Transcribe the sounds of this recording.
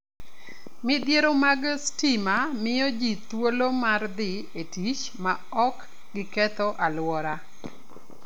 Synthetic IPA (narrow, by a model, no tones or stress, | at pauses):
mɪd̪jeɾomaɡstimamɪjɔd͡ʒit̪wolomard̪ɪ | etit͡ʃ | ma | ɔk | ɡɪkɛt̪ɔʔalwɔɾa